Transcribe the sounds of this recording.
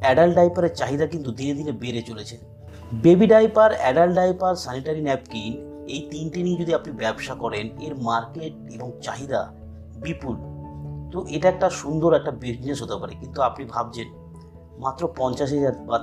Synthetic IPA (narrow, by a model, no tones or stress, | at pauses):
ɛɖalɖajpaɾeɾt͡ɕaɦid̪akint̪ud̪ined̪ʱinebeɾet͡ɕolet͡ɕʰen | bebiɖajpaɾɛɖalɖajpaɾsaniʈaɾinɛp̚kin | ejt̪inʈinied͡ʑod̪iapnibɛbʃakɔɾeneɾmaɾkeʈ̚eboŋt͡ɕaɦid̪a̰ | bipult̪oʔeʈaɛk̚ʈaʃund̪oɾɛk̚ʈabiʃneʃɦot̪epaɾekint̪uapnibʱab̚d͡ʑen | mat̪ːɾopɔnt͡ɕaʃ̬ɦɛd͡ʑaɾba